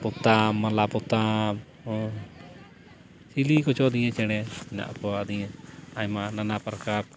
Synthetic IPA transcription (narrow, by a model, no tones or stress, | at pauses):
put̪amːalaput̪am | silikɔt͡ʃɔd̪ijɛ̃t͡ʃɛɽ̃ɛɛna̰ʔpɔad̪ijɛ̃ajmananapɾkaɾ